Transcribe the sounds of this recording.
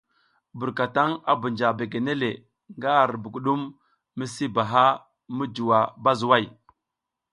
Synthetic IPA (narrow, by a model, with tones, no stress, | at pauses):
bu˨ɾka˨ta˦ŋa̰˦bə˨nd͡ʒa˨be˨ɡe˨ne˦le˨ | ŋɡa˦˨ɾbə˨ɡu˨ɗu˦mː | ə˦si˦ba˨ɦa˦ | mə˦d͡ʒu˨wa˨ba˦zu˨wa˦˨j